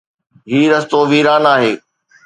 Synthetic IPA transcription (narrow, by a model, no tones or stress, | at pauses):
ɦiːɾɐst̪oʋiːɾaːnaːɦeː